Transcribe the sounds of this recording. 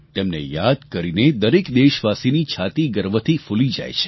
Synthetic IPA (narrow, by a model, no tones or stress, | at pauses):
t̪emnḛjad̪kəɾined̪əɾekd̪eʃʋasinit͡ʃʰat̪iɡəɾʋət̪ʰifulid͡ʒa̰jt͡ʃʰe̥